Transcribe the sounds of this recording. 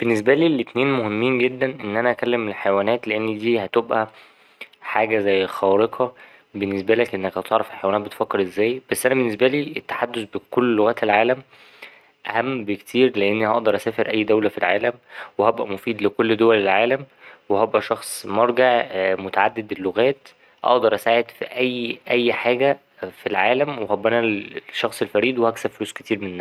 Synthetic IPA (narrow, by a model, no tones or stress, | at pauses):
b̥enːes̬bæliːlet̪neːnmohemːiːnɡed̪ːænʔenːʔænæʔækælːemːelħajwæːnæːt̪leʔenːd̪iːhæt̪obʔæ | ħaːɡæzæjːxɑːɾeqʰɑ | benːes̬bælækʔenːækhɑt̪ɑʕɾˤɑfelħajwænæt̪̚bet̪fækːeɾʔezːæːjb̥æsːʔænæbenːesbæliːʔet̪ːḁħad̪ːosbekolːoɣæːt̪elʕaːlæm | ʔæhæmːbekt̪ʰiːɾleʔenːihɑʔd̪ɑɾˤʔæsæːfeɾʔæjːd̪æwlæfilʕa̰ːlæmwehæbʔæmofiːd̪lekolːd̪owælelʕaːlæmwehæbʔæʃɑxsˤmɑɾˤɡeʕmot̪aʕad̪ːed̪elːoɣæːt̪ | ʔɑ̰ʔd̪ɑɾˤʔæsaːʕed̪fiʔæjːʔæjːħaːɡæ | filʕaːlæmweɦæbænæʃːɑxsˤelfæɾiːd̪wehæksæbfoluːske̥t̪iːɾmenenːæ